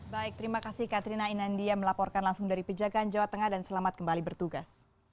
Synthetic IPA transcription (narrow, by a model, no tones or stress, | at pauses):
baɪk̚t̪əɾimakasɪhkat̪ɾinainandiaməlapɔrkanlaŋsʊŋdaɾipəd͡ʒaɡaːnd͡ʒawat̪əŋahdansəlamat̪̚kəmbalibərt̪uɡas